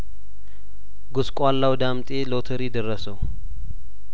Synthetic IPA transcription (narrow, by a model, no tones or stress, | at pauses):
ɡoskʼwalːawd̪amt̪ʼelot̪ʰəɾid̪ərːəsəw